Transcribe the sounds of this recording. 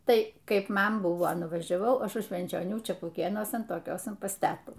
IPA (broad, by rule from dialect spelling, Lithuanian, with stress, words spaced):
ˈtɐɪ ˈkɐɪp ˈmɐn ˈbʊʋoː nʊʋɐʒʲɛˈʋɐʊ ˈɐʃ ʊʃ ʃʲʋʲɛnʲt͡ʃʲoːˈnʲuː t͡ʃʲɛpʊˈkʲeːnuɔsɐn toːˈkʲoːsɐn pɐs ˈtʲæːtuː